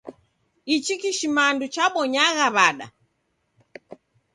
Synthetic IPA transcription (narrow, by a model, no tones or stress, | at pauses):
it͡ʃikiʃimandut͡ʃaɓɔɲaɣaβaɗa̰